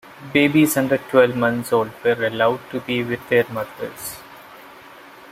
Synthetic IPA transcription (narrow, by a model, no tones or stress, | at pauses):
beːbizʌ̃ɳɖəɾʈwɛlʋmʌ̃nsoːlɖʋəɾɐlaʊɖ̚ʈubiʋɪd̪ːeɾmʌd̪əɾs